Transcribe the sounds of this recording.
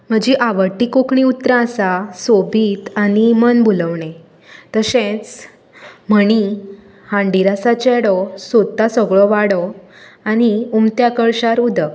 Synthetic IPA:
m̤əd͡ʑiʔaʋəɾʈːikokɳiut̪ɾãəsasobʱiːt̪animənbuləʋɳe | t̪əsẽt͡s | m̤əɽ̃i | hãɳɖiɾasat͡ɕɛɽɔsod̪asəɡɭɔʋaɽɔ | añiumt̪jakəɭɕaɾud̪ʱə

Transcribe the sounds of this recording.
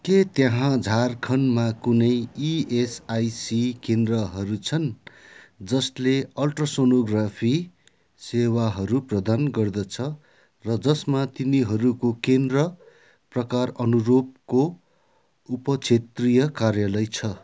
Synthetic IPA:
ket̪jãɦãd͡zʱarkʰʌnmakunʌjiesajsikend̪rʌɦʌɾut͡sʰʌn | d͡zʌsleʌlʈrʌsonoɡrapʰi | sewaɦʌɾuprʌd̪anɡʌrd̪ʌt͡sʰʌ | rʌd͡zʌsmat̪iniɦʌɾukokend̪rʌ | prʌkarʌnuɾob̚ko | upʌt͡sʰet̪rijʌkarjalʌjt͡sʰʌ

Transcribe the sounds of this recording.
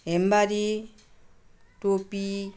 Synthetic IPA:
embaɾi | topi

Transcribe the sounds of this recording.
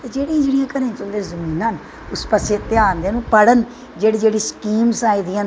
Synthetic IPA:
t̪eːd͡ʒeːɽiãd͡ʒeːɽijãːkəɾẽːt͡ʃəld̪eːzəmiːnaːn | ʊspəseːt̪eaːnd̪eːnũːpəɽən | d͡ʒeːɽiːd͡ʒeːɽiːskiːmsaːid̪ijãːn

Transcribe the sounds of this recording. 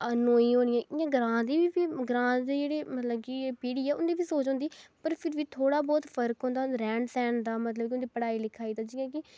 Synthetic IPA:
ənoːiːɦoːniːɛ̃ːɪːãːɡɾãːd̪iːbiːpiːɡɾãːd̪eːd͡ʒeːɽeːmət̪ləb̚kɪpiːɽiːɛːʊnd̪iːbiːsoːt͡ʃɦõnd̪iːpəɾpʰɪɾʋiːt̪ʰoːɽaːbɔːt̪pʰəɾkɦõːnd̪aːɾɛ̃ːɳsɛːɳd̪aːmət̪ləbkɪʊnd̪iːpəɽaːiːlɪkʰːaːiːd̪aːd͡ʒiːãːk̬ɪ

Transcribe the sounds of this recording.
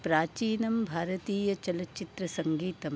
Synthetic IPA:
pɾaːt͡ʃiːnɐmbʱaːɾɐt̪iːjɐt͡ʃɐlɐt͡ʃit̪ɾɐsɐŋɡiːt̪ɐm

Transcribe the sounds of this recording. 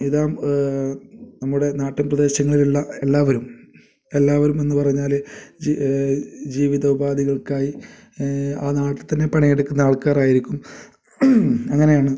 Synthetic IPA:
iðaːm | nɐmːuɽe̞naːʈːɐmprɐðe̞ːɕjɐŋːɐɭiluɭːɐelːaːʋɐɾum | e̞lːaːʋɐɾume̞nːɨpɐrɐɲːaːl | d͡ʑiːʋiðɐubaːðiɣɐɭkaːji | aːnaːʈːit̪ɐnːe̞pɐɳijeɽukːunːɐaːɭkaːraːjiɾikʲːum | ɐŋːɐnejaːɳɨ

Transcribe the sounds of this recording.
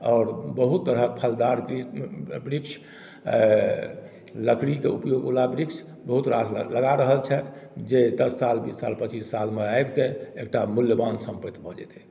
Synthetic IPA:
ɔːɾbəɦut̪ːəɾəpʰəld̪aɾibɾikʃʰ | ləkʰɽikeupjoɡolabɾikʃ | bəɦut̪ɾasləɡaɾəɦəlt͡ʃʰɛt̪d͡ʒed̪əsːalbisːa̰lpət͡ʃisːalmeaebkeek̚ʈamuljəbansə̃mpət̪bʱəd͡ʒɛ̰t̪ɛ

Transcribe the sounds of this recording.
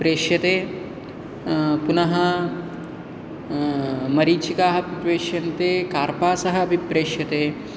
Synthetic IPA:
pɾeːʂjɐt̪eː | punɐɦɐ | mɐɾiːt͡ʃikaːɦɐpit̪ʋeːʃjɐnt̪eːkaːɾpaːsɐɦɐ̆ɐbʱipɾeːʃjɐt̪eː

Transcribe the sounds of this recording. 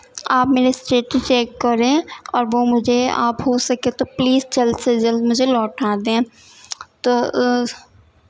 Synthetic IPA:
aːpmeːɾesʈeːʈt͡ʃeːkːɐɾẽɔːɾʋomʊd͡ʒʱea̰ːpɦosɐkẽt̪opliːzt͡ʃɐlsed͡ʒɐlmʊd͡ʒʱelɔːʈʰaːd̪ẽ | t̪oː

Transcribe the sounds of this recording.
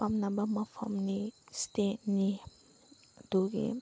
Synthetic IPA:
pamnabamapʰamnisteni | duɡḛ

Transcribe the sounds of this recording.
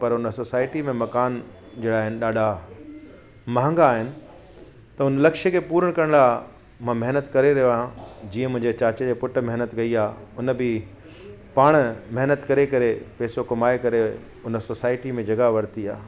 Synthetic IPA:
pɐɾʊnəsoːsaːɪʈimẽmɐkaːn | d͡ʑeːɽaːɦɪnɪ̆ɗaːɗa | mãːŋɡaːɦɪnɪ̆ | t̪ɐʊnlɐkʃəkʰepuːɾəɽ̃kɐɾəɽ̃laː | mãmɐɦnət̪kɐɾeɾɐɦoʋaːɦjãd͡ʑiːə̃mʊ̃ɦɪ̃ɲd͡ʑet͡ɕaːt͡ɕd͡ʑeːpʊʈ̆mɐɦnət̪ɡɐiaːʊnə̆bɪ | paːɽ̃mɐɦnət̪kɐɾekɐɾepeːsokɐmaːekɐɾe | ʊnə̆sosaːɪʈimẽd͡ʑɐɡaʋɐɾt̪iaː

